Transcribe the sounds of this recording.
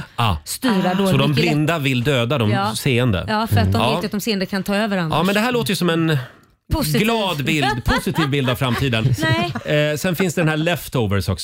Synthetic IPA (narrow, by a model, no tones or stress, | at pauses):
ɑst̪ʉːɾad̪sɔd̪ɔmblɪnd̪avɪld̪øːd̪ad̪ɔmːseːənd̪ə̰ɑːfəɾat̪d̪ɔmɑeːtjat̪d̪ɔmseːənd̪əkʰant̪ʰɑːøːvəɾaɑːmɛnd̪ɛɦæːɭoːt̪əjɵsɔmɛn | pʰʊsɡlɑːd̪bɪldd̪pʰʊsɪt̪ʰiːvbɪld̪avfɾamt̪ʰiːd̪ənɛsɛnfɪnsd̪ɛd̪ɛnhæːɭɛft̪oːvəɾsɔksɔ